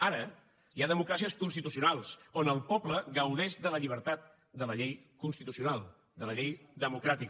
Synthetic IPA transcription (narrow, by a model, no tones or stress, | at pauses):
aɾə | iaðəmukɾasiəskunst̪it̪usiunalˠsonəlˠpɔpləɣəwðeʃd̪ələʎiβ̞əɾt̪at̪̚ | d̪ələʎejkunst̪it̪usiunalˠ | d̪ələʎejðəmukɾat̪ik